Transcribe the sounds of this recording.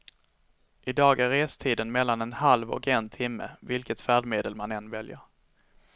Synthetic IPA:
ʔɪd̪ɑːɡæɾeːst̪ʰiːd̪ənmɛlːanɛnhalvɔ̰kɛnt̪ʰɪmːə̰vɪlkət̪fæːɖmeːd̪əlmanɛnːvɛljə̰ɾ

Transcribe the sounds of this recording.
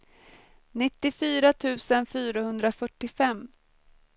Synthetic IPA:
nɪt̪ːɪfyːɾat̪ʰʉ̟ːsənfyːɾahɵnd̪ɾafœʈːɪfɛmː

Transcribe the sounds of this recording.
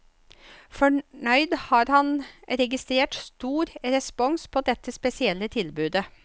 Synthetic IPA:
fɔɳœʏd̪hɑːɾhɑnɾɛɡɪst̪ɾeːʈst̪uːɾɾɛspɔŋspʰoːd̪ɛt̪ːəspɛsɪɛlːət̪ʰɪlbʉːd̪ə

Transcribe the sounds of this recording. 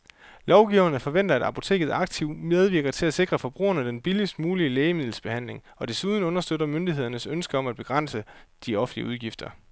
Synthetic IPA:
lɒʊɡ̥iʊɐnəfɒ̽ʋen̰d̥ɐæd̥ɑpʰo̝t͡sʰe̝̰ːɡ̥ð̞̩ˠɑ̈ɡ̥̚t͡sʰiʊmeð̞ˠʋiɐɡ̥ɐt͡sʰe̝læse̝ɡ̥ʁɐfɒ̽b̥ʁṵːɐnəd̥enb̥ilisd̥muːliəleːɪəmið̞̰ˠl̩sb̥e̝hæn̰le̝ŋ | ɒ̽d̥e̝suːð̞ˠn̩ɔ̽nɐsd̥ød̥ɐmønd̥iɦe̝ð̞̰ˠɐnəsønsɡ̥əɒ̽mæd̥̚b̥e̝ɡ̥ʁɑn̰səd̥iɒ̽fn̩liəuð̞ˠɡ̥ifd̥ɐ

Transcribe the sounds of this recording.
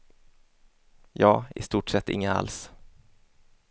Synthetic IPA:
jɑːɪ̰st̪uːʈʂɛt̪ːɪ̰ŋːəa̰ls

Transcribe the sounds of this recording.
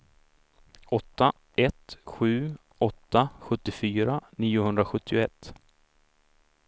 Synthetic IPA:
ɔt̪ːa | ʔɛt̪ɧʉ̟ː | ɔt̪ːaɧɵt̪ːɪfyːɾaniːʊhɵnd̪ɾaɧɵt̪ʰːɪʊɛt̪ː

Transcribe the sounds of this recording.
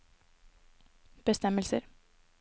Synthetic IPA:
b̥əst̪ɛməlsə̰ɾ

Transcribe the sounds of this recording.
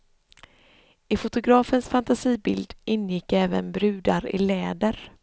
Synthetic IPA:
ɪfʊt̪ʊɡɾɑːfənsfant̪asiːbɪld̪ʔɪnːjɪkːɛːvənbɾʉ̟ːd̪aɾɪ̰lɛːd̪əɾ

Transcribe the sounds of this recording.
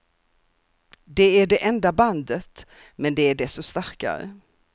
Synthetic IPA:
d̪ɛæɖɛʔɛnd̪aband̪ət̪ | mɛnd̪ɛæɖɛsɔst̪aɾka̰ɾə̰

